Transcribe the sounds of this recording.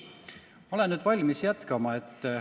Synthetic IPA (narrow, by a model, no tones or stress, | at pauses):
olennyːd̪vɑlʲmisjæt̪kɑmɑe̞t̪ː